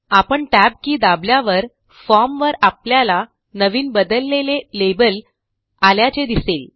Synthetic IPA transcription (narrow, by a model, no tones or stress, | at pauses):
apəɳʈæb̚kiːd̪abljaʋəɾ | fɔɾmʋəɾapljala | nəʋiːnbəd̪əlːelelebəl | aljat͡sed̪isel